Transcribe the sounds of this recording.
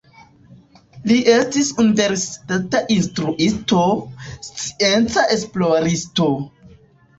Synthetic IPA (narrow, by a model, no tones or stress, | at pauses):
liʔe̞stisunive̞ɾsi̥tataʔinstɾuʔistost͡si̥e̞nt͡saʔe̞splo̞ɾisto̞